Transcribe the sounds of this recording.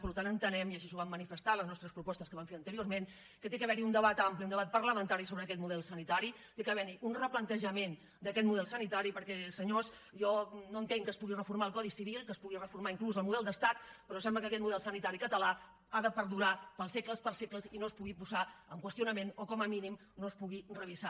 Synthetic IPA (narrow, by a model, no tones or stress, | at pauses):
pəɾlut̪anənt̪ənɛmiəʃisuβamːənifəst̪aləznɔst̪ɾəspɾupɔst̪əkəβaɱfeɾənt̪əɾiormen | kət̪ekəβɛɾiund̪əβat̪ampliund̪əβat̪̚pərləmənt̪aɾisoβɾəkɛt̪muðɛlˠsənit̪aɾi | t̪ekəβɛɾiunrəplənt̪əʒəmen | d̪əkɛt̪muðɛlˠsənit̪aɾipəɾkɛsəɲos | ʒɔnoənt̪eŋkəspuɣirəfuɾmaəlˠkɔðisiβ̞ilˠkəspuɣirəfuɾmaiŋkluzəlˠmuðɛlˠd̪əst̪at̪̚pəɾɔsɛmbləkəkɛt̪muðɛlˠsənit̪aɾikət̪əla | aðəpəɾðuɾapəlˠsekləspəɾsekləzinoəspuɣipuzaəŋkwəst̪junəmenokɔməminim | noəspuɣirəβ̞iza